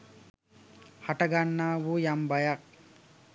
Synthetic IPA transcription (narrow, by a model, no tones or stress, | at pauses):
haʈɐɡanːaːʋujambajak̚